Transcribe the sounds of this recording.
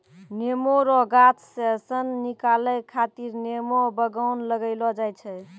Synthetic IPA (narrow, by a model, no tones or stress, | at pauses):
nemoɾɔɡat͡ʃsesənːikalɛkʰat̪iɾnemɔbəɡaʊnləɡəɪlɔd͡ʒajt͡ʃʰɛ